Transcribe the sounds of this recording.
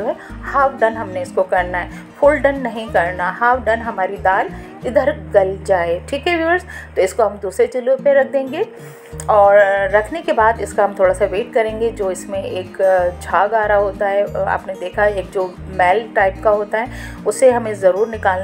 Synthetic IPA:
oɦɛhaːwɖɐ̃nɦɐmneɪskokɐɾnaɦɛ | fʰʊlɖɐ̃nːɐɦĩkɐɾnaɦaːwɖɐnɦɐmaːɾid̪aːl | ɪd̪ʱəɾɡɐld͡ʒaːeʈʰiːkɦɛʋiəɾst̪oɪskoɦɐmd̪uːsɾet͡ʃɪlopeɾɐk̚ʰd̪ẽːŋɡe | ɔːɾːɐkʰnekebaːd̪ɪskaɦɐ̃mt̪ʰoːɽasaʋeːʈ̚kɐɾẽːŋɡed͡ʒoːɪsmẽeːkd͡ʒʰʱaːɡaːɾaɦoːt̪aɦɛa̰ːpned̪eːkʰaeːk̚d͡ʒoː | mɛːlʈaːɪp̚kaɦoːt̪aɦɛ | ʊseɦɐmẽzɐɾuːɾnɪkaːln

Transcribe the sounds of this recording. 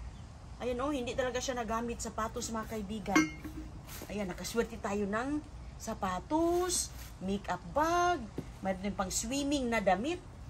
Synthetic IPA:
ʔajanʔohɪnd̪ɪʔt̪ɐlaɡaʃanɐɡaːmɪt̪̚sɐpaːt̪osmɐŋakaʔibiːɡan | ʔajanːɐkaswɛɾt̪ɪt̪aːjonaŋ | sapaːt̪os | mikʔap̚baɡ̚ | maɾnjnpaŋswiːmɪŋnɐd̪amɪt̪̚

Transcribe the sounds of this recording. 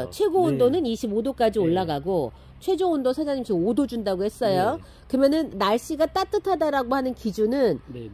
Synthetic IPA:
t͡ɕʰwe̞ɡoːndonɯniɕʰibodok͈ad͡ʑioɭːaɡaɡo | t͡ɕʰwe̞d͡ʑoondosʰad͡ʑaɲimɕ͈iodod͡ʑundaɡohe̞s͈ʌjo | kɯmjʌnɯnːaɭɕ͈iɡat͈at͈ɯtʰadaɾaɡohanɯnkid͡ʑunɯn

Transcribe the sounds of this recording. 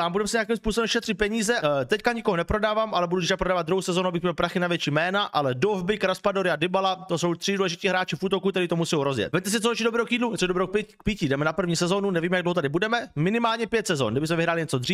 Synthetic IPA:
aːmbudɛmsɪɲeak̬imspuːsobɛmʃɛt̪r̥ɪt̪̚pɛɲiːzɛt̪ɛckaɲɪkoɦonɛpɾo̞daːvaːmʔalɛbudut̪ɪʃkapɾodaːvad̪ɾuɦowsɛzonuabɪxmɲɛlpɾaxɪnavjɛt͡ʃiːmɛːnaʔalɛdovbɪkɾaspadoɾɪadɪbalat̪osowt̪r̥ɪduːlɛʒɪc̪iːɦɾaːt͡ʃɪfʔuːt̪o̞kukt̪ɛɾiːt̪omusɛjowɾozjɛ̰t̪vɛt̪ɛs̬ɪt̪t͡soot͡ʃido̞bɾɛːɦokjiːdlut̪sodobɾɛok̚pk̚pɪcɪdɛmɛnapr̩vɲiːsɛzo̞nunɛviːmɛjaɡdloɦot̪adɪbudɛmɛmɪnɪmaːlɲɛpjɛt̪sɛzo̰nɡdɪbɪsmɛvɪɦɾaːlɪɲɛt͡sod̪riːf

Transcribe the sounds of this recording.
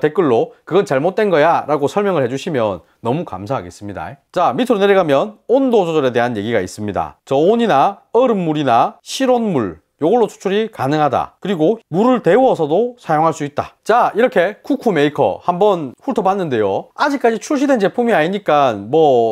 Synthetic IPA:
te̞k͈ɯɭːokɯɡʌnt͡ɕaɭmot̚t͈we̞nɡʌjaɾaɡosʰʌɭmjʌŋɯɭhe̞d͡ʑuɕʰimjʌnːʌmuka̰msʰaɦaɡe̞s͈ɯmɲida̰t͡ɕamitʰɯɾoneɾiɡamjʌnondod͡ʑod͡ʑʌɾe̞de̞ɦanje̞ɡiɡais͈ɯmɲida̰t͡ɕʌoɲinaʌɾɯmːuɾinaɕʰiɾonmuɭ | joɡɯɭːot͡ɕʰu̥t͡ɕʰuɾikanɯŋɦada̰kɯɾiɡomuɾɯɭte̞uwʌsʰʌdosʰajoŋɦaɭs͈uit̚t͈a̰t͡ɕaiɾʌkʰe̞kukʰume̞ikʰʌ̰hambʌnɸuɭtʰʌpanːɯnde̞joad͡ʑik͈ad͡ʑit͡ɕʰuɭɕ̬ʰide̞nt͡ɕe̞pʰumiaɲiɲik͈anmwʌ

